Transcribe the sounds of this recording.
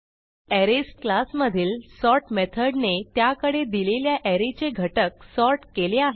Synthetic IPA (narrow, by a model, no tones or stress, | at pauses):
æɾesʈklasməd̪ʱiːlsɔɾʈmet̪ʰəɖnet̪jakəɽed̪ileljaʔæɾet͡seɡʱəʈək̚sɔɾʈkeleaɦe